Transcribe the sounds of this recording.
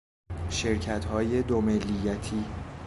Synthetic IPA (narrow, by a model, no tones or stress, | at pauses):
ʃe̞ɾcʰæt̪hɒːje̞d̪omelːijæt̪ʰiː